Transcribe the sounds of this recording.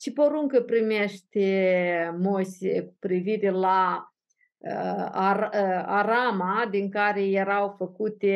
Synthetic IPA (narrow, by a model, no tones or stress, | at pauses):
t͡ʃipoɾuŋkəpɾimeʃt̪emosekupɾiviɾela | aaɾamad̪iŋkaɾejeɾawfəkut̪e